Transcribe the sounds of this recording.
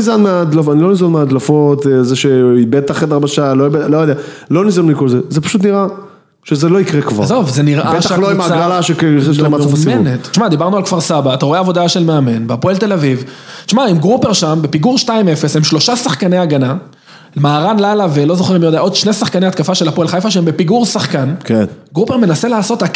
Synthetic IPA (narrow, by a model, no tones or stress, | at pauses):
izanmead̪lafanilo̞nizanmead̪lafo̞t̪ezeʃeibet̪aχed̪aʁbaʃaloibelojod̪ea | lo̞nizanmikolzezepḁʃut̪niʁa | ʃezelo̞ikʁekva̰ʁzovzeniʁʔabetaaloimaɡʁalaʃekeʃlamatfamieunet̪ʃmad̪ibaʁnualkv̥aʁsabaːt̪aʁoeavod̪aʃe̞lmeame̞nbapoelt̪e̞laviv | ʃmaimɡʁupe̞ʁʃambe̞piɡuʁʃtaime̞fe̞shemʃlo̞ʃasaχkane̞aɡana | lmaːʁanlalavelo̞zoχeimjod̪eaʔo̞d̪ʃnesaχkaneat̪kafaʃelapoelχajfaʃeembe̞piɡuʁsaχkankenɡʁupe̞ʁme̞naselaːso̞t̪ak